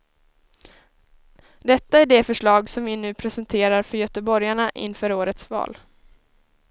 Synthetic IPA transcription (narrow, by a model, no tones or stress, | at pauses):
d̪ɛt̪ːaæɖɛfœʂɭɑːɡsɔmvɪnʉ̟ːpʰɾɛsɛnt̪ʰeːɾaɾfœɾjœːt̪əbɔɾjaɳaʔɪ̰nːfœːɾoːɾət̪svɑ̰ːl